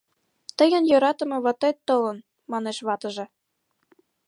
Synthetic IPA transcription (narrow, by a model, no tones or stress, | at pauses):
t̪əjə̆njøɾɑt̪ə̆mɤ̆βɑt̪et̪ːɤlən | mɑneʃβɑt̪ə̆ʒĕ